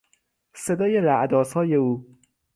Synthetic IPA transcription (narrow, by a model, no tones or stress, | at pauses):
se̞d̪ɒːje̞ɾæʔd̪ɒːsɒːje̞uː